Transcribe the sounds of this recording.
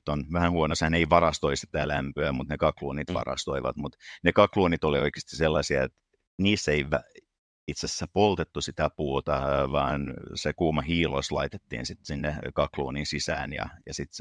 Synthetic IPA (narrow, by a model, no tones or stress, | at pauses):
t̪onʋæhænhuonoshæneiʋɑrɑst̪oist̪e̥t̪ːæːlæmpøæmut̪nekɑkluːnit̪ʋɑ̰rɑ̰st̪oiʋɑ̰t̪mut̪nekɑkluːnit̪olioike̥st̪i̥selːɑsiɑet̪ | niːsːeiʋæ | it̪sesːæpolt̪et̪ːusit̪æpuːt̪ɑʋɑːnsekuːmɑhiːlo̰slɑ̰it̪et̪ːḭːnsit̪sinːekɑkluːninsisæ̰ːnjɑ̰jɑsit̪